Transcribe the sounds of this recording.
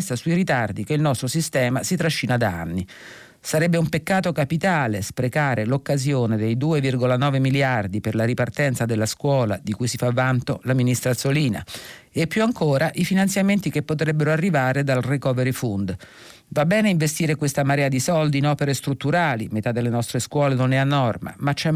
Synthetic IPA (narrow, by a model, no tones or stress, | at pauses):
st̪asuiɾit̪ard̪ikeilnɔst̪ɾosist̪ɛːmasit̪ɾaʃːiːnad̪aa̰nːi | saɾɛbːeumpekːaːt̪okapit̪aːlespɾekaːɾelokːazjoːned̪ejd̪uːevirɡolanɔːvemiljard̪iperlaɾipart̪ɛnt̪sad̪elːaskwɔːlad̪ikujsifavːant̪olaminist̪ɾat̪soliːna̰ | epːjuaŋkoːɾaʔifinant̪sjament̪ikepːot̪̬ɾɛbːeɾoarːivaːɾed̪alrekɔːveɾifund̪ | vabːɛːneiɱvest̪iːɾekwest̪amaɾɛːad̪isɔld̪iːnɔːpeɾest̪ɾut̪ːuɾaːlimet̪ad̪ːelːenɔst̪ɾeskwɔːlenonɛanːɔrma̰mat͡ʃːɛ